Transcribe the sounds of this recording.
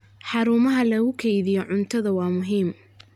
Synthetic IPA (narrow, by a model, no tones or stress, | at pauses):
ħɑɾuːmɐɦɐlɐɣʊkʰɛjðɪjɔʕʊnt̪ʰɐðɐwɑːmʊɦiːm